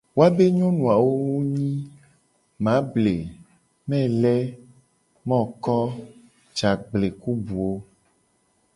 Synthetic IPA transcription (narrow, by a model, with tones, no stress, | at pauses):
wo˦a˦be˦ɲɔ̃˦nũ˨a˨wo˦wo˦ɲĩ˦ | mã˨˦ble˨ | mɛ̃˦˨lɛ˦ | mɔ̃˦kɔ˦ | d͡ʒa˨ɡ͡ble˨ku˦bu˨wo˦